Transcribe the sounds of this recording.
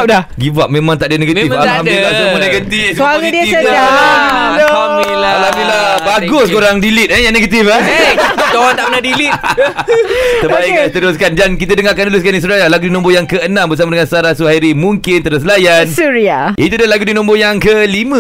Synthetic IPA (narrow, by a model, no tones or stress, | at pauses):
aɡivaʔ̚mẽmãŋt̪aʔdənẽɡat̪iaamdilasməneɡənt̪isuaɾədiəad͡ʒa | t̪oamialamilabaɡʊskoɾaŋdilit̪̚əjaŋneɡət̪ifə | d͡ʒawant̪aʔpənahdilit̪̚ | səbaɪkt̪əɾʊskand͡ʒankit̪ədəŋakandəlʊs̬kanis̬uɾajalaɡudinɔ̃mbojaŋkəənãmbərs̬amadəŋãnsaɾasuhaiɾimũŋkɪnt̪əɾəslajansuɾiaʔit̪udalaɡudinɔ̃mbojaŋkəlimə̃